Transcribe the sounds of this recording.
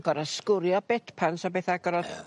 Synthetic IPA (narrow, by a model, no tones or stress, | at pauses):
ɡ̥ɔɾaskʊɾjɔbɛtpʰansɔbeːθaɡɔɾɔ